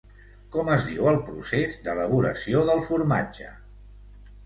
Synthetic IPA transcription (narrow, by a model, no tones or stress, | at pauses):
kɔməzðiwəlˠpɾṵsezd̪ələβ̞uɾə̰sioðəlˠfuɾma̰d͡ʒə̰